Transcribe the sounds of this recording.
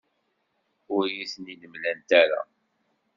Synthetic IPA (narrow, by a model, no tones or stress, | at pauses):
ʊɾjisəniləmlænt̪æɾa̰